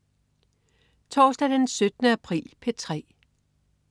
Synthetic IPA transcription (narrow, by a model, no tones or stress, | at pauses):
t͡sʰɒːsd̥æd̥ensød̥ənəæpʰʁḭːlpʰe̝t͡sʰʁɛ̰ː